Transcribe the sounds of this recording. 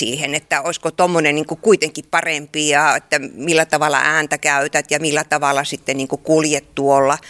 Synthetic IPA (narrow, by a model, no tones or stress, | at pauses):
ḭːhenet̪ːæoiskot̪omːonenniŋkukuit̪eŋkippɑrempijɑet̪ːæmilːæt̪ɑʋɑˑlːˑɑ̰ʔæːnt̪ækæyt̪æt̪jɑmilːæt̪ɑʋɑlːˑɑsit̪ːeniːŋkukuljet̪t̪uolːɑ